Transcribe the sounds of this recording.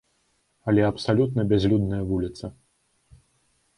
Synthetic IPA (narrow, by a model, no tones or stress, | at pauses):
ɐlʲɛɐpsalʲut̪nɐbʲazʲlʲud̪nɐjɐvulʲit̪sɐ